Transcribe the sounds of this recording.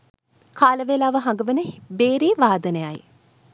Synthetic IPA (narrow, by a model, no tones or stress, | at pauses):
kʰaːləʋelaːʋəɦãŋɡəʋənəbeːɾiːʋaːd̪ənəjaj